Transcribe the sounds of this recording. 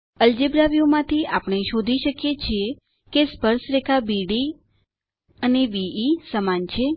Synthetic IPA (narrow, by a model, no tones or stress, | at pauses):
əld͡ʒebɾaʋijomãt̪ʰiapəɳ̃eʃod̪ʱiʃəkjet͡ʃʰie | kespəɾsɾekʰabiɽi | əneʋiisəmant͡ʃʰe